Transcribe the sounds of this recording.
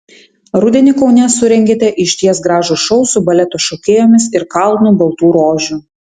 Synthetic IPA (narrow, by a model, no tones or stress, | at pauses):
ɾʊd̪ʲɛnʲɪkɔʊnʲɛsʊɾʲɛŋʲɡʲeːt̪ʲɛʔɪʃʲt̪ʲiɛsɡɾɑːʒʊʃɔʊsʊbɐlʲɛt̪oːʃɔkʲeːjoːmʲɪsɪɾkɐlˠnuːbɐlˠt̪uːɾoːʒʲu